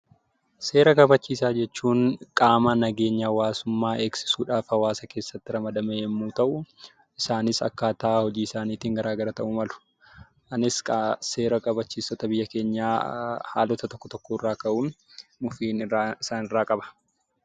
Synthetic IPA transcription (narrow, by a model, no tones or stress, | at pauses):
se̞ːɾɐkʼɐbɐt͡ʃːiːsaːd͡ʒɛt͡ʃːuːnkʼaːmɐnɐɡe̞ːɲːaːwaːsʊmːaːʔeːksɪ̥suːᶑaːfɐwaːsɐke̞ːsːɐt̪ːɪɾɐmɐd̪ɐmehɛmːuːt̪ɐʔʊ | ɪsaːnɪsɐ̰kːaːt̪aahɔd͡ʒiːɪsaːniːt̪iːŋɡɐɾaːɡɐɾɐt̪ɐʔʊmɐlʊ̥ | ʔɐnɪskse̞ːɾɐkʼɐbɐt͡ʃːiːsɔt̪ɐbɪjːɐke̞ːɲːaːha̰ːlɔt̪ɐt̪ɔkːɔt̪ɔkːɔɪrːaːkɐʔuːn | mʊfiːnɪaɪsaːnɪrːaːkʼɐbɐ̥